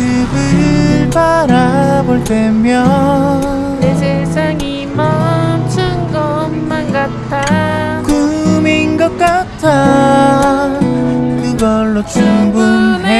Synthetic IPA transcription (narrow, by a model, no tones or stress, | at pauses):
ɯbɯpaɾaboɭt͈emjʌ | esʰesʰaŋi | mʌmt͡ɕʰɯŋɡʌmːanɡat͈ʰa | kuminɡʌk̚k͈atʰa | kɯɡʌɭːot͡ɕuŋɡune